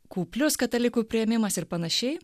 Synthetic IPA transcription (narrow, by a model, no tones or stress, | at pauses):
kuːpʲlʲʊskɐt̪ɐlʲɪkuːpʲɾʲɪjɛmʲɪmɐsɪɾpɐnɐʃʲɛɪ